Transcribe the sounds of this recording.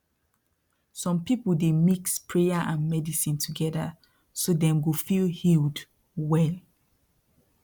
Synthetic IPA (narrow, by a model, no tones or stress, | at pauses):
sɔ̃mpipuldemikspʰɹejaʔãnmɛdisĩntʰuɡɛda̰ | sodɛ̃mɡofilhild | wɛl